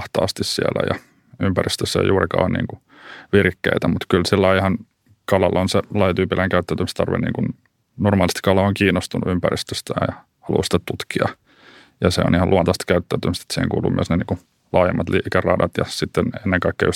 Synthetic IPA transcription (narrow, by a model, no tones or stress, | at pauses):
ht̪ɑ̰ːst̪issielæ̰jɑ̰ | ympærist̪øsːæḛjuːrikɑ̰ːnnḭːŋku | ʋirkːḛit̪æmut̪kylsilːɑiihɑn | kɑlɑlːʔonselɑːjt̪yːpilːæiŋkæyt̪ːæyt̪ømist̪ɑrʋḛnḭːŋkun | normɑːlist̪kɑlɑoŋkiːnːost̪unṵympærist̪øst̪æːjɑ | hɑlṵst̪ett̪ut̪kiɑ | jɑseo̰nihɑluɑnt̪ɑst̪kæyt̪ːæyt̪ømist̪e̥t̪siːhḛŋkṵːlṵːmyø̰ˑsneniːŋku | lɑːjemːɑt̪likærɑdɑt̪jɑ̰sit̪ːenenːeŋkɑikːḛːjus